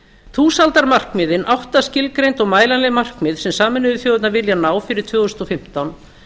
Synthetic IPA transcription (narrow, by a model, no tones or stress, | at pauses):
θuːsalt̪aɾmar̥kmɪðɪnʔawht̪ascɪlkɾejnt̪ɔɣmaːjlanlɛɣmar̥kmɪːðsɛmsaːmɪnʏðɪθjoːwɪt̪navɪljanaːwfɪɾɪɾ̥t̪ʰvʏːɣʏst̪ɔfɪm̥t̪awn